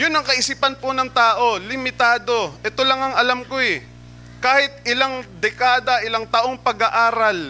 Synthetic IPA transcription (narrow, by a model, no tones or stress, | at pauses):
jʊnːɐŋkɐʔɪsiːpɐnponɐŋt̪aːʔo̞lɪmɪt̪aːd̪o̞ʔɛt̪o̞lɐŋɐŋɐlamkoɛ | kaːhɪt̪̚ʔɪlaŋd̪ɛkaːd̪ɐʔɪlaŋt̪ɐʔoŋpɐɡɐʔaːɾɐl